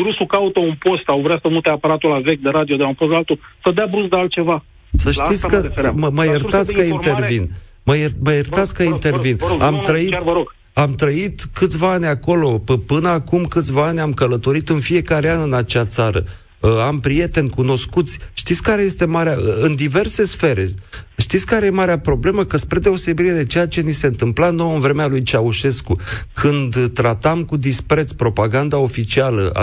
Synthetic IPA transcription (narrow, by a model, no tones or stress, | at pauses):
bɾusukaut̪əunpo̞st̪sawvɾeasəmut̪eapaɾat̪ulavek̚d̪eɾad̪iod̪eaumposalt̪usəd̪eabɾusd̪ealt̪̚t͡ʃe̞va | səʃit̪ʲkəməməjerat̪skəint̪e̞rvin | məjeməjert̪at̪skəint̪e̞rvinamt̪ɾəit̪vəɾoɡ̥ | amt̪ɾəit̪kɨt̪sʲvaanʲako̞lo̞əpɨnəakumkɨt̪sʲvaanʲamkələt̪o̞ɾit̪ɨnfie̞kaɾeanɨnat͡ʃat̪saɾə̰ | ampɾije̞t̪e̞nʲkuno̞skut̪sʲʃt̪it̪sʲkaɾe̞je̞st̪e̞maɾeaɨnd̪ive̞rse̞sfe̞ɾe̞ʃt̪it̪sʲkaɾe̞jemaɾeapɾo̞ble̞məkəspɾed̪e̞o̞se̞biɾed̪e̞t͡ʃe̞jat͡ʃe̞nise̞ɨnt̪ɨmplanowɨnvɾe̞mealujt͡ʃauʃe̞skukʰɨnd̪t̪ɾat̪amkud̪ispɾe̞t̪spɾo̞paɡand̪ao̞fit͡ʃialə̰a̰